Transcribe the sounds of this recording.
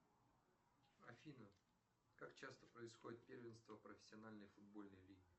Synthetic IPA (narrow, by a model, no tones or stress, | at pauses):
ɐfʲinə | kakt͡ɕast̪əpɾəɪsxodʲɪt̪̚pʲervʲɪnst̪vəpɾəfʲɪ̥sʲːɪɐnalʲnəjfʊd̪̚bo̞lʲnəjlʲiɡʲɪ